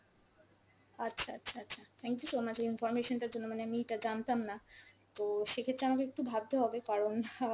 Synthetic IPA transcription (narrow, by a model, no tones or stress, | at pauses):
atːɕʰaatːɕʰaatːɕʰat̪ʰɛŋkjusomat͡ɕʰinfɔɾmeʃonʈaɾd͡ʑonːomaneamieʈad͡ʑant̪amna | t̪oʃekʰet̪ːɾeamakeek̚ʈubʱab̚t̪eɦɔbekaɾon